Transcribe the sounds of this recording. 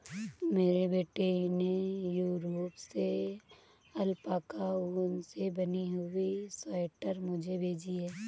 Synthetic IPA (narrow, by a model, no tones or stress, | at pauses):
meːɾebeːʈenejuːɾoːpse | ɐlpakauːnsebɐniɦʊisaɪʈəɾmʊd͡ʒʱebʱeːd͡ʒiɦɛː